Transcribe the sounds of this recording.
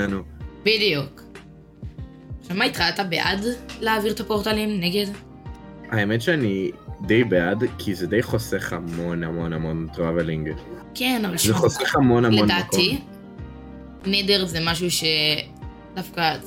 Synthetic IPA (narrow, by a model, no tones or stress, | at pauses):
nubidijuk | ʃamait̪ʁalt̪abeʔadleaːviʁt̪apoʁt̪alimneɡed | aemetʃeanidejbeadkʰizɛdejχoseχhamo̞namo̞namo̞ntʁavelĩŋɡ | kenavalzeχoseχhamo̞namleond̪aːtki | nedeʁzemaʃ̬uʃe | dafka